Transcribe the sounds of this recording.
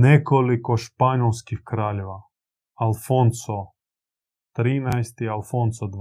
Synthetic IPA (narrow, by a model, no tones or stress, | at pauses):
nʲɛkɔlikɔʃpanʲɔlskixkɾalʲɔʋa | alˠfɔnsɔ | t̪ɾinajst̪ialfɔnsɔd̪